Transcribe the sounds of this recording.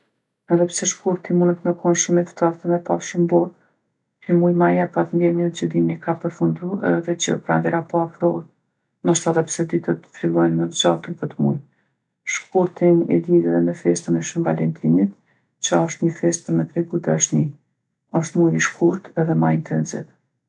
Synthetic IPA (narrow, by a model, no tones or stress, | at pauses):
ɛðɛpsɛʃkuɾt̪imunət̪mɛkʰɔnʃəmɛt̪t̪aɾt̪əmɛpaʃəmbɔɾ | əmujmajapat̪nd̪ɛɾɲənət͡ʃəd̪imɛkapəɾfund̪uɛ̰ðɛt͡ʃə̰pɾa̰nd̪ɛɾapɔafɾɔɾ | maʃt̪aðɛpsɛd̪it̪ət̪ə̥filˠɔjnmɛvd͡ʒat̪ənpət̪mṵj | ʃkuɾt̪inɛ̰d̪iɾɛðɛmɛfɛst̪ənɛʃumvalɛnt̪ʰinit̪ | t͡ʃəɔʃt̪ɲəfɛst̪əmɛt̪ɾɛɡud̪aʃt̪ni | ɔʃt̪mujɾiʃkuɾt̪ɛðɛmaint̪ʰɛnzḭt̪